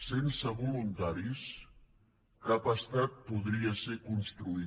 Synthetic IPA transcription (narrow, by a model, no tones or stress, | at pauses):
sensəβulunt̪aɾis | kapəst̪at̪̚puðɾiəsekunst̪ɾui